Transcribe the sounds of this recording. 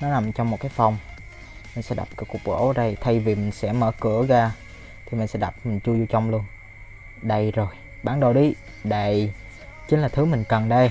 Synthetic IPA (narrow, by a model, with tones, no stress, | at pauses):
nɔ˨˦na˨˩mt͡ɕɔ˧wŋ͡mmo˨˩t̚kaː˨˦jfa˧˩wŋ͡m | mi̟˨˩sɛ̰˧˥ɗa̰˨˩p̚kə˨˦ku˨˩ək̚ɓo̰˧˦ɗə˧jt̪ʰa˧jvi˨˩mï˨˩ŋ̟sɛ̰˧˥mə̰ː˧˩kɨ˧˥əɣaː˧ | t̪ʰi˨˩mï˨˩ŋ̟sɛ̰˧˥ɗa˨˩p̚mï˨˩ŋ̟t͡ɕu˧zu˧t͡ɕa˧wŋ͡mlu˧ən | ɗə˧jzo˨˩j | ɓaː˧˩nɗo˧˩ɗi˨˦ | ɗə˧˨j | t͡ɕi˨˦laː˨˩t̪ʰɨ˨˦mï˨˩ŋ̟kə˨˩nɗə˧j